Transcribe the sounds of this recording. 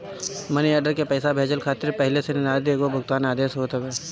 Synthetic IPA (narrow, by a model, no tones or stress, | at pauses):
mɐniəːɖəɾkepɛːsabʱeːd͡ʒəlkʰaːt̪ɪɾpɛɦlesenɪɾaːd̪eːɡobʱʊɡt̪aːnaːd̪eːsɦoːt̪eɡeː